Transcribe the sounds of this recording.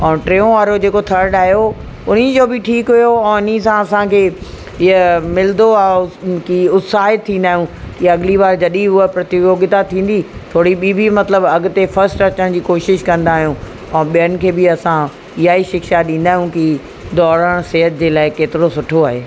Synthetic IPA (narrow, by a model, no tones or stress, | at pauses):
ɛ̃ːʈɾeːõʋaːɾod͡ʑeːkot̪ʰɐɾɖaːɦijo | ʊn̤əd͡ʑoːbɪʈʰiːkɦʊjoɛ̃ːʊn̤isãɐsãkʰeː | ɪəmɪld̪oaːkiʊt̪saːɦɪt̪ʰːĩːnd̪aːɦijũ | kiɐɡɪliʋaːɾd͡ʑɐɗiɦʊəpɾɐt̪ioːɡɪt̪at̪ʰĩːn̆d̪it̪ʰoːɽiɓiːbimɐt̪ləbɐɡʊ̆t̪efɐɾsʈɐt͡ɕəɽ̃d͡ʑiːkoːʃɪʃkɐ̃nd̪aːɦijũ | ɛ̃ːɓijənɪ̆kʰeːbɪɐsã | ɪɦaːiʃɪkʃaɗĩːn̆d̪aːɦijũki | d̪ɔːɾəɽ̃seɦət̪̚d͡ʑeːlaːɪkeːt̪ɪɾosʊʈʰoaːɦeː